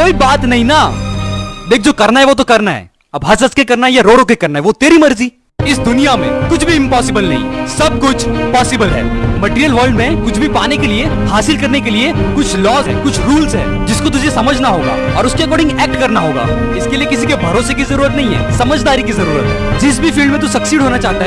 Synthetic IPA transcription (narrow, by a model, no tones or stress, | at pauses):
koːibaːt̪nɐɦĩna | d̪eːk̚ʰd͡ʒoːkɐɾnaɦɛʋoːt̪̬okɐɾnaɦɛ̰ː | ɐbɦɐsɐskekɐɾnaɦɛjaɾoːɽõk̬ekɐɾnaɦɛʋot̪eːɾimɐɾziː | ɪsd̪ʊnijamḛ̃kʊt͡ʃʰbʱiɪ̃mpɔːsɪbəlnɐɦḭ̃sɐb̚kʊt͡ʃʰpɔːsɪbəlɦɛ̰ːmɐʈːɾijəlʋɐːlɖmẽkʊt͡ʃʰbʱipaːnekelie | haːsɪlkɐɾnek̬eliekʊt͡ʃʰlɔːzɦɛ̰ːkʊt͡ʃʰɾuːlzɦɛ̰ː | d͡ʒɪskot̪̬ʊd͡ʒʱesɐməd͡ʒʱnaɦoːɡa̰ː | ɔːɾʊskeɛkɔːɾɖɪ̃ŋɡɛːk̚ʈkɐɾnaɦoːɡa̰ː | ɪskeliekɪsikebʱɐɾoːsek̬izɐɾuːɾət̪nɐɦĩɦɛ̰ːsɐməd͡ʒʱd̪aːɾikizɐɾuːɾət̪ɦɛːd͡ʒɪs̬bʱifiːlɖmẽt̪usɐksiːɽʱɦoːnat͡ʃaːɦt̪aɦɛ